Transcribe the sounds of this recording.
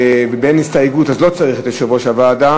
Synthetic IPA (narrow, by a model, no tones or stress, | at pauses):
vebenist̪aeɡut̪azlo̞t͡saʁiχet̪eʃevoʃavaːd̪a